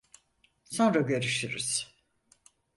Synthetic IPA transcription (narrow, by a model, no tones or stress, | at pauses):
so̞nɾaɟø̞ɾyʃyɾḭz̥